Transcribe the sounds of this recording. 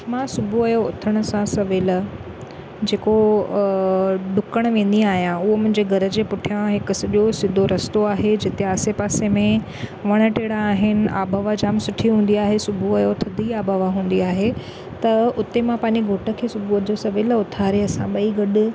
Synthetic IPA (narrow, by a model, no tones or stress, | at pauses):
mãsʊbʱuɐjoʊ̰t̪ʰəɽ̃ə̆sãsɐʋɪl | d͡ʑeːko | ɖʊkəɽ̃ʋẽːn̆d̪iaːɦijãʊɦomʊ̃ɦɪ̃ɲd͡ʑeɡʱɐɾəd͡ʑeːpʊʈʰijãɦɪkʊsɗiosɪd̪ʱoɾɐst̪oaːɦed͡ʑɪt̪eaːsepaːsemẽ | ʋɐɽ̃ə̆ʈeːɽaːɦɪnɪ̆a̰ːbʱaːʋad͡ʑaːmsʊʈʰiɦũːn̆d̪iaːɦesʊbʱuɐjot̪ʰɐd̪ʱiaːbʱaʋaɦũːn̆d̪iaːɦe | t̪ɐʊt̪emãpɐ̃ːɪ̃ɲd͡ʑeɡʱoːʈə̆kʰeːsʊbʱud͡ʑosɐʋɪlʊt̪ʰaːɾeɐsãɓɐiɡɐɗʊ̆